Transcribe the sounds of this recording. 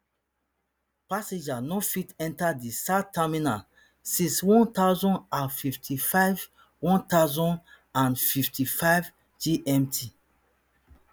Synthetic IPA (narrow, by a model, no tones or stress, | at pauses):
pasẽd͡ʒanɔfitɛ̃ntadisataminal | sĩswɔ̃nt̪aʊzɔ̃nafiftʰifaɪv | wɔ̃ntazɔ̃n | ãnfiftifaɪv | d͡ʒiʔɛ̃mtʰi